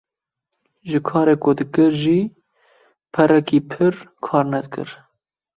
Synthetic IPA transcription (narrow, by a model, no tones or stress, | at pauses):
ʒɨkʰɑːɾeːkʊd̪ɨkɨɾʒiː | pʰɛɾɛkiːpʰɨɾkʰɑːɾnɛd̪̚kɨ̰ɾ